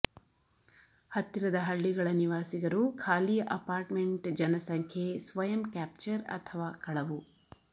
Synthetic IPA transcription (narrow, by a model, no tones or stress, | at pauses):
hɐt̪ːiɾɐd̪ɐɦɐɭːiɡɐɭɐniʋaːsiɡɐɾukʰaːliːjɐʔɐpaːɾʈmeɳʈd͡ʒɐnɐsɐŋkʰjesʋɐjɐmkaːp̚t͡ʃɐɾɐ̰t̪ʰɐʋaːkɐɭɐʋu